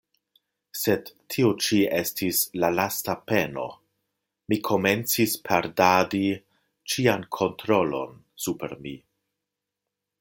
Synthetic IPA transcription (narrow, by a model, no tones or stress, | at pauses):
se̞dtʰːiot͡ʃiestʰislalastape̞no̞̰ | mikʰo̞me̞nt͡sispʰaɾdadi | t͡ʃiankʰo̞ntɾo̞lo̞̰n | supe̞̰ɾmi